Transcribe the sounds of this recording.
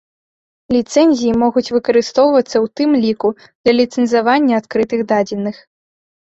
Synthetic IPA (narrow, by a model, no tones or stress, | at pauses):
lʲit̪sɛnʲzʲijimɔɣut͡sʲvɨkɐɾɨst̪ɔwvɐt̪sːɐwt̪ɨmlʲiku | d̪̥lʲɐlʲit̪sɛnzʲavanʲːɐat̪kɾɨt̪ɨɣd̪ad͡zʲinːɨx